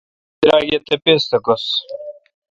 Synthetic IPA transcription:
d̪ɾaːɡʲet̪epest̪ɐkos

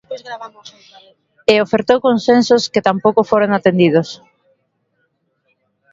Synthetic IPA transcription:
zɾaβa | eofeɾt̪owkonsensoskɪt̪ampowkofoɾoŋat̪end̪iðos

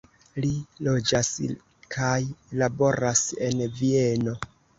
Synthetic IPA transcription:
lilod͡ʒas | kʰajlabo̞ɾase̞nvie̞no̞

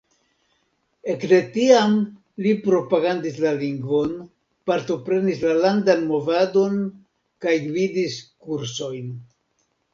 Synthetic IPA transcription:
e̞kde̞tiam | lipɾo̞paɡandislaliŋɡvo̞n | paɾto̞pɾe̞nislalandanmo̞vado̞n | kajɡvidiskuɾso̞jn

